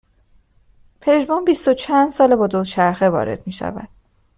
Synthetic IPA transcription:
pʰe̞ʒbɒːnbist̪ot͡ʃʰænd̪sɒːlebɒːd̪ot͡ʃʰæɾxe̞vɒ̰ːɾe̞̰d̪̥̚miːʃæ̰væ̰d̪̥̚

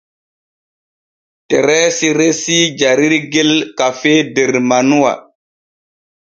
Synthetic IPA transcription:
teɾɛːsiɾesid͡ʒaɾiɾɡelkafedeɾmanuwa̰

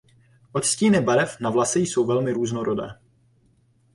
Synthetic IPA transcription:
ʔot̪sciːnɪbaɾɛfnavlasɛjso̞wvɛlmɪɾuːznoɾodɛ̰ː

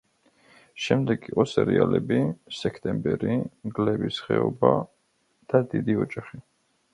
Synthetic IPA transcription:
ʃɛmd̪ɛɡiqʼɔsɛɾialɛbisɛkʰt̪ʼɛmbɛɾimɡlɛbisχɛɔba | d̪̥ad̪id̪iɔd͡ʒaχi

